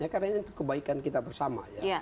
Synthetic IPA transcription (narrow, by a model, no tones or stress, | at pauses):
ɲakadaŋɲaint̪u̥kːəbaikankit̪abərsama̰jaa